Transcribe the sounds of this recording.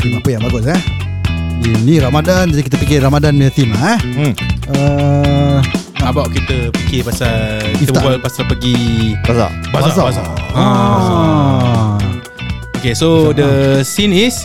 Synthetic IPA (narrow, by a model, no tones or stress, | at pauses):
imapəjaŋbaɡʊs̬ɛ | iniɾamadand͡ʒadikit̪əpik̬ɪɾamadanmiat̪imaɛ | ə | abawʔkit̪əpikɪpasalkiit̪əaalpasalpəɡibasa̰basbaaabasa̰a | okesodəsinis